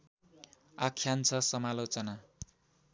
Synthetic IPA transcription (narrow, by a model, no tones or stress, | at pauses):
akʰːjant͡sʰʌsʌmalot͡sʌna